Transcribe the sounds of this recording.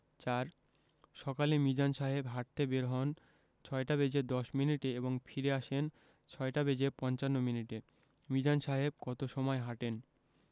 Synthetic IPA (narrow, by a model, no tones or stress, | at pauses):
t͡ɕaɾ | ʃɔkalemid͡ʑanʃaɦebɦaʈ̚t̪ebeɾɦɔn | t͡ɕʰɔeʈabed͡ʑed̪ɔʃminiʈeeboŋfʰiɾeaʃen | t͡ɕʰɔeʈabed͡ʑepɔnt͡ɕanːominiʈe | mid͡ʑanʃaɦeb̚kɔt̪oʃɔmɔeɦaʈen